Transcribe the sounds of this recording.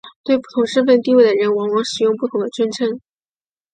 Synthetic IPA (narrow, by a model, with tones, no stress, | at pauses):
t̪we˥˧ɪpu˥˩ʊ˧˥ŋʂə˥˧nfə˥˧nt̪i˥˧we˥˩ɪd̪ə˩ɻə˧˥nwɑ˧˥ŋwɑ˧˥ŋʂɻ̩˨˩jʊ˥˧ŋpu˥˩o˨˥ʊd̪ə˧ʈ͡ʂwə˥nʈ͡ʂʰɤ˥ŋ